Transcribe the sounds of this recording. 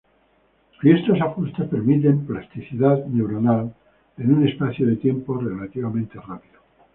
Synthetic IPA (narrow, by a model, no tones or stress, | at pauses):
fjest̪osafust̪aspe̞ɾmit̪̬e̞mplast̪iθiðaðne̞wɾo̞nal | e̞nune̞spaθjoðe̞t̪je̞mpo̞re̞lat̪iβamẽ̞nt̪e̞rapiðo